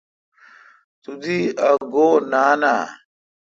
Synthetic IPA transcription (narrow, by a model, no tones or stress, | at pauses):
t̪ud̪iɐɡoːnaːna̰ː